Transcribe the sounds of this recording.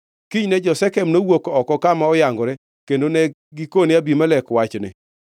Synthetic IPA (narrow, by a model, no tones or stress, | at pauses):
kiɲnɛd͡ʒɔsɛkɛmnowokɔkɔkamaɔjaŋɡɔɾɛ | kendonɛ | ɡikonɪabimalɛkwat͡ʃnɪ̰